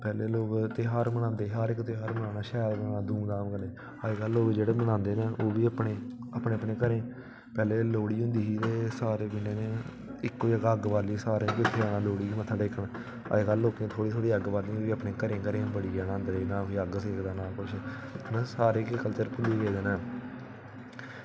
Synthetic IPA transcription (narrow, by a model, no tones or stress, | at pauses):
pɛːleːloːkt̪eːɦaːɾmənãːnd̪eːɦəɾɪkːt̪eːɦaɾmənãːnaːʃɛːlɡənaːd̪uːmd̪aːmkəneː | əɡəlːoːkd͡ʒeːɽeːmənãːnd̪eːneːʔoːʋiːəpɽeːaːpneːəpɳeːkəɾẽː | pɛːleːloːɽiːɦʊ̃nd̪iːiːt̪eːsaːɾeːbɪɳeːneː | ɪkːoiəɡəɡbaːɾliːsaːɾẽːkɪt̪ʰːeːaːnãːloːɽiːmət̪ʰːaːɖeːkʰəɳ | ə̰eɡəlːoːkẽːt̪ʰoːɽiːt̪ʰoːɽiːəɡbaːɾlioːʋiːəpnẽːkəɾẽːkəɾẽːbəɽiːɡaːnãːənd̪ɾeːnãːkoiːəɡseːkʰd̪aːnãːkʊt͡ʃʰnasaːɾeːkkəlt͡ʃəɾpʊld̪iːɡeːd̪eːnaː